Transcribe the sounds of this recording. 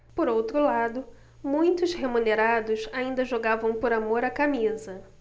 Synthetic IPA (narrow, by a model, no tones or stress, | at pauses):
poɾowt̪ɾʊlad̪ʊ | mũj̃t̪ʊshemuneɾad̪ʊsaĩnd̪ɐʒoɡavɐ̃w̃poɾamoɾɐkamizɐ